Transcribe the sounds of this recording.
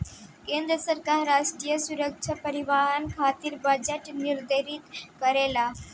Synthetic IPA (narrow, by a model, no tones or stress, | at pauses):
kend̪ɾəsəɾkaɾɾaʂʈɾiːjəsuɾəkʂʰəpəɾiʋaɦankʰat̪iːɾbəd͡ʑeʈniɾd̪eɾit̪kəɾela